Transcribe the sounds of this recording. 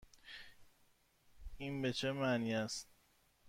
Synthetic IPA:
inbe̞t͡ʃʰemæniːæst̪̚

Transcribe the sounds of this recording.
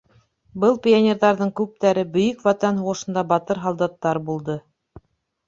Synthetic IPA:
bɤlˠpʲɪonʲeɾðɑɾðɤɴkʉp̚t̪æɾɘbɵ̆jɵkwɑt̪ɑnɦuʁɤ̆ʃɤ̆nd̪ɑbɑt̪ɤɾɦɑlˠd̪ɑt̪ːɑɾbulˠd̪ɤ

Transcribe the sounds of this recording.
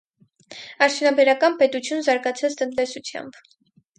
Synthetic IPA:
ɑɾt͡s̪ʰjunɑbɛɾɑkɑnpɛt̪ut͡sʰjunzɑɾɡɑt͡sʰɑt͡st̪ənt̪ɛsut͡sʰjɑ̰mb

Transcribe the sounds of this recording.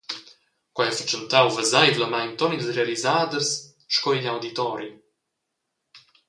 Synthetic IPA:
kwajafət͡ʃənt̪awvəzajvləmajnt̪ɔnilzrealizaːd̪əs | ʃkɔiɲawd̪it̪ɔɾi

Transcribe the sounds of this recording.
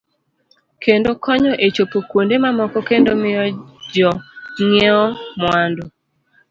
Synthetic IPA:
kendokʰɔɲɔʔet͡ʃopokwondemamɔkɔkendomɪjɔd͡ʒɔŋɛɔmwandɔ

